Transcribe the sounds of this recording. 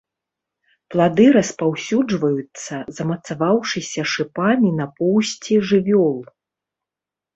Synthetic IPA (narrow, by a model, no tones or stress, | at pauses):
plˠad̪ɨɾɐspawsʲud͡ʐvɐjut̪sːɐzɐmɐt̪savawʂɨsʲɐʂɨpamʲinɐpɔwsʲt͡sʲiʐɨvʲɔlˠ